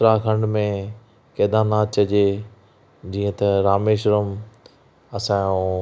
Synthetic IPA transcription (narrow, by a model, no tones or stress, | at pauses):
ɾaːkʰɐ̃ɳɖmẽ | kɐːd̪aːnaːt͡ɕɐd͡ʑeː | d͡ʑiːə̃t̪ɐɾaːmeːʃɾəm | ɐsãːjũ